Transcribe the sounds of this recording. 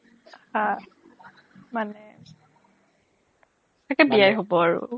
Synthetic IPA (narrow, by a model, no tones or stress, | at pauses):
hã | manɛ | takɛbijajɦobɔaɹʊ̰